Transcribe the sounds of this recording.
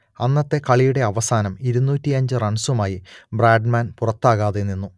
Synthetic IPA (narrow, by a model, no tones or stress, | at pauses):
ɐnːɐt̪ːe̞kɐɭijuɽe̞ɐʋɐsaːnɐmiɾunːuːtːiɐɲd͡ʑɨrɐɳsumaːjibraːɖmaːnpurɐt̪ːaːɣaːðenːinːu